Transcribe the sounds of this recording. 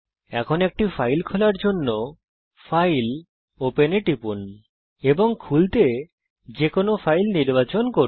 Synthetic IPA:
ɛkʰonek̚ʈifajlkʰolaɾd͡ʑonːo | fajl | openeʈipun | eboŋkʰult̪e | d͡ʑekonofajlniɾbat͡ɕonko

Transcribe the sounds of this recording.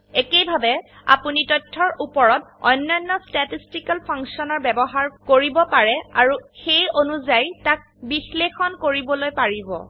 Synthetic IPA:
ekejbʱabɛa̰punitɔtʰːɔɹupɔɹɔtɔ̰jnːɔjnːɔstatistikalpʰɔŋksiɔnɔɹbɛbɔɦaɹkoɹibɔpaɹɛaɹuxejonuzajtak̚bixlexɔnkoɹibɔlojpaɹibɔ̰

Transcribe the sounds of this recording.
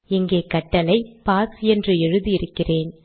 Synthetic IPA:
ɪŋɡeːkɐʈːɐlɐɪpaːsɛndrɯɛɻɯðiɪɾɯkːɪreːn

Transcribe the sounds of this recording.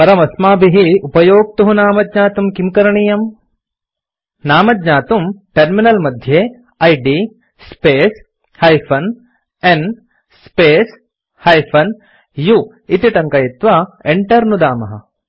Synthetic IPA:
pɐɾɐmɐsmaːbiɦiupɐjoːɡ̚t̪uɦunaːmɐd̪ɲaːt̪umkimkɐɾɐɳijɐm | naːmɐd̪ɲaːt̪umʈɐɾminɐlmɐd̪ʱjeː | ɐjɖi | speːs | hɐjpʰɐn | en | speːs | hɐjpʰɐn | ju | it̪iʈɐŋkɐjit̪ʋɐeɳʈɐɾnud̪aːmɐɦɐ̰

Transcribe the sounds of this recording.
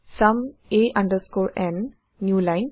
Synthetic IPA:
sɐ̃meʔãɳɖəɾskɔːɾɛ̃nː | juːlãɪn

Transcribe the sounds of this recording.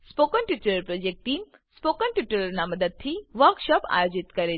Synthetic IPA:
spoːkənʈiʈuləɾpɾoːd͡ʒek̚ʈʈːiːm | spoːkənʈiʈuləɾnamɐd̪əd̪̚t̪ʰiʋəɾkʃɔpa̰ːjoːd͡ʒit̪kɐɾe

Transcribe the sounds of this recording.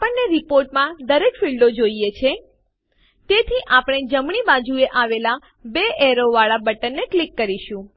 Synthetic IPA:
apəɳneɾipoɾʈmãd̪əɾekfiɭɖod͡ʒoijet͡ʃʰe | t̪et̪ʰiʔapɽ̃ed͡ʒəmɳ̃ibad͡ʒueʔaʋela | beʔɛɾoʋaɭabəʈənːeklikːəɾiʃũ

